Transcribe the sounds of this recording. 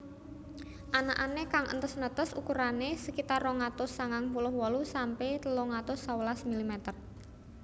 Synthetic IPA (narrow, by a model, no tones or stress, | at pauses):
ʔanaʔanekaŋʔə̰nt̪əsnət̪əsṵkuɾanesəkit̪arɔŋat̪ʊsːaŋaŋpulʊhwɔlusampet̪lɔŋat̪ʊsːawəlasmilimɛt̪ər